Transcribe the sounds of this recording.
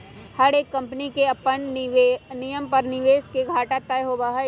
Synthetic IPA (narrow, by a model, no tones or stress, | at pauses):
hɐɽeːkːɐ̃mpənikeɐpːən | nɪjəmpɐɾnɪʋeːskeɡʱaːʈat̪ajɦoːbaːɦə